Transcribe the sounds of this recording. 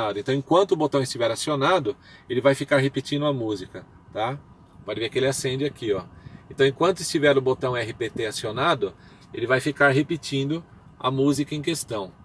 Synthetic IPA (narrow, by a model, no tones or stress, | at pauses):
ad̪ʊẽnt̪ɐ̃w̃ẽkwɐ̃nt̪ʊbot̪ɐ̃w̃ɪst͡ʃivɛɾasionad̪ʊ | elɪvajfikaɾɦepit͡ʃĩnd̪ʊɐmuzikɐ | t̪a | pɔd͡ʒɪveɾkɪelɪasẽd͡ʒɪakiɔẽt̪ɐ̃w̃ẽkwɐ̃nt̪ʊɪst͡ʃivɛɾʊbot̪ɐ̃w̃ɛɦipet̪easionad̪ʊ | ḛlɪvajfikaɾɦepit͡ʃĩnd̪ʊ | a̰muzikɐẽkest̪ɐ̃w̃